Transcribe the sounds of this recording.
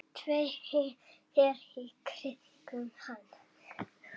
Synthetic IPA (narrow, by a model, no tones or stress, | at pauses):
t̪ʰvejɪ | ɛɾikʰɾɪt̪ikʏmhan